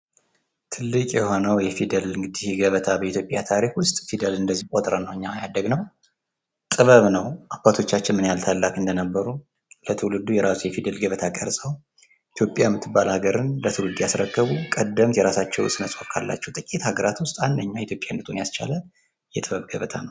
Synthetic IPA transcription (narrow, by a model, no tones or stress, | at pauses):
t̪ʰɨlːɨkʼjɛhonəwjɛfid̪əlɨŋɡɨd̪ihɡəβət̪ʰabəit̪ʰjopʼjat̪ʰaɾikwʊst̪ʼfid̪əlɨnd̪əzːihkʷʼot̪ʼɾənəwɨɲːajad̪əɡnəw | t̪ʼɨβəβnəwʔabat̪ʰo̞t͡ʃːat͡ʃːɪnmɨnjalt̪ʰalːakʼɨnd̪ənəbːəɾu | lət̪ʰɨwlɨd̪ujɛɾasujɛfid̪əlɡəβət̪ʰakʼəɾsʼəw | ʔit̪ʰjo̞pʼjajmːɨt̪ʰːɨbːalhaɡəɾɨnlət̪ʰɨwlɨd̪ujasɾəkːəβukʼəd̪ːəmt̪jɛɾasat͡ʃːɛwsɨnəsʼofkʰalːa̰t͡ʃːɛwt̪ʼɨkʼit̪haɡəɾat̪wʊst̪ʼand̪əɲːait̪ʰjo̞pʼjanɨt̪ʼunjast͡ʃʰa̰lə | jɛt̪ʼɨβəβɡəβət̪ʰa̰nəw